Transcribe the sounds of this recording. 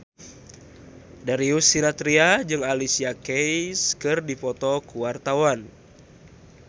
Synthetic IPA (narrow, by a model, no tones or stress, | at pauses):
daɾiusiɾat̪ɾiad͡ʒɨŋalisiakejskɨrdipɔt̪ɔkuwart̪awan